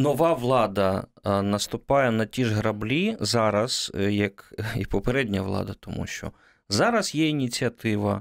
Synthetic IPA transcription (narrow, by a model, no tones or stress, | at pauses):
nɔʋɑʋlˠɑd̪ɐnɐst̪ʊpɑjɛnɐtʲiʒɦɾɐblʲizɑɾɐz̥jɐkipɔpeɾɛdʲnʲɐʋlˠɑ̰d̪ɐt̪ɔmṵʃt͡ʃɔ̰ | zɑɾɐzjɛinʲit͡sʲiɐt̪ɪʋɐ